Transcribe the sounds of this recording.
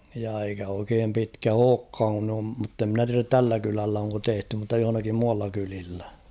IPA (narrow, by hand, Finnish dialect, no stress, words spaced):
jɑ eikæ oikeːm pitkæ oːkːɑːŋ kun om mutːe mnæ tiæræt tælːæ kylælːæ oŋko tehty mutːɑ johŏnɑkim muɑlːɑ kylilːæ